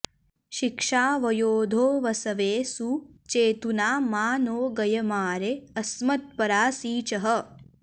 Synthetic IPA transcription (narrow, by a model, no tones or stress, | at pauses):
ʃikʂaːʋɐjoːd̪ʱoːʋɐsɐʋeːsut͡ʃeːt̪unaːmaːnoːɡɐjɐmaːɾeɐsmɐt̪̚pɐɾaːsiːt͡ʃɐɦɐ